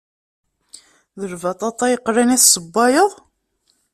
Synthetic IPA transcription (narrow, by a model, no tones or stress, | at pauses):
ðəɾvɑt̪ˤɑt̪ˤːɑjəqːɾænæθsəbːɑjəðˤ